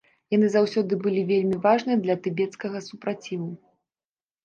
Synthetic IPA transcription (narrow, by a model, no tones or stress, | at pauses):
jan̪ɨzawsʲɔd̪ɨbɨlʲivʲelʲmʲivaʐnɨd̪lʲɐt̪ɨbʲɛt̪skɐɣɐsupɾat͡sʲivu